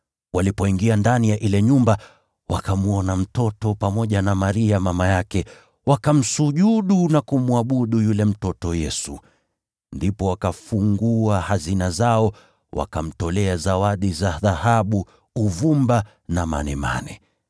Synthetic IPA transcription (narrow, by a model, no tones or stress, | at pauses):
wʔalipɔiŋɡiandanijaʔilɛɲumba | wakamuɔnam̩tɔtɔpamɔʄanamaɾiamamajakɛ | wakam̩suʄuɗunakumuaɓuɗujulɛm̩tɔtɔjɛsu | ndipɔwakafuŋɡuahazinazaɔ | wʔa̰kam̩tɔlɛazawaɗizaðahaɓu | uvumba | nama̰nɛma̰nɛ